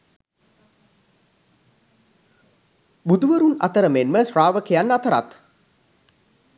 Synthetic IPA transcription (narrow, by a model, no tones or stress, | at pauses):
bud̪uʋəɾuna̰t̪əɾəmenməsraːʋəkejanːat̪əɾa̰t̪